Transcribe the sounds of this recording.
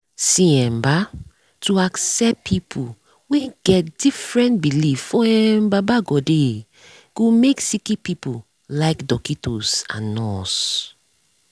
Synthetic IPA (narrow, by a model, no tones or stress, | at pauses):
sĩɛ̃mba | tuaksɛppʰipʰu | wɛ̃ɡ̥ɛt̚d̥ifɹɛ̃ntbiliffɔɛmbabaɡɔde | ɡ̥omeksikipipu | laɪkdɔkitosã̰nːɔs